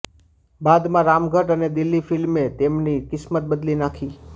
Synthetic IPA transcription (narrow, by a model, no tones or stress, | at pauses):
bad̪mãɾamɡʱəʈəned̪ɪlːifɪlmet̪emnikɪsmət̪̚bəd̪linakʰi